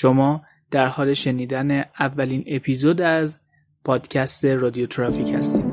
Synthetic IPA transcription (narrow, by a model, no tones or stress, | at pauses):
ʃomɒː | d̪̥æɾhɒːle̞ʃe̞niːd̪æneævːæliːne̞pʰiːzoːd̪æz | pʰɒːd̪̥cʰæst̪e̞rɒːd̪iot̪ʰɾɒːfiːchæ̰st̪iːd̪̥